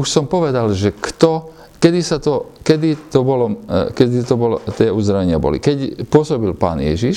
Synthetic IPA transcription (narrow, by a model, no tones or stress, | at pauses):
uʃsɔmpɔʋɛd̪alʒɛkt̪ɔ | kɛd̪isat̪ɔkɛd̪it̪ɔbɔlɔkɛd̪it̪ɔbɔlɔt̪ɪɛuzd̪ɾaʋɛɲɪabɔ̰lḭkɛcpʊɔsɔbilpa̰ːnjɛ̰ʒiʃ